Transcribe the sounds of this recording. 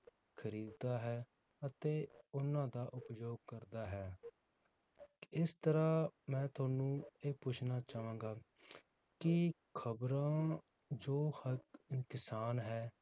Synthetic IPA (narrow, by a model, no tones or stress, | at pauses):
kʰəɾiːd̪d̪aːɦɛː | ət̪eːʊnãːd̪aːʔʊpjoːɡ̚kəɾd̪aːɦɛː | ɪst̪əɾãːmɛ̃ːt̪ʊaːnũːeːpʊt͡ʃʰnaːt͡ʃaːʋãːŋɡaː | kɪ | kʰəbɾãː | d͡ʒoːhəkkɪsaːnɦɛː